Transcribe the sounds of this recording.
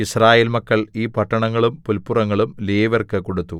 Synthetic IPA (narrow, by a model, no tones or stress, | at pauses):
israːjeːlmɐkːɐɭiːpɐʈːɐɳɐŋːɐɭumpulpːurɐŋːɐɭumleːʋɐrkɨko̞ɽut̪ːu